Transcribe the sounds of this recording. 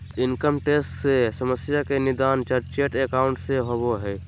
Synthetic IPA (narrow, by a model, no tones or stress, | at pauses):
ɪnkəmʈeːsʈsesəməsjakenɪd̪aːnt͡ʃəɾt͡ʃeːʈekaːʊ̃ɳʈseɦoboɦɛː